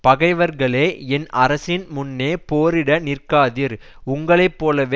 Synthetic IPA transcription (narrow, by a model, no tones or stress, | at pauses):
pɐɣɐɪʋɐɾɣɐɭeːɛnɐɾɐsɪnmʊnːeːpoːɾɪɽɐnɪrkaːðɪɾ | ʊŋɡɐɭɐɪpːoːlɐʋe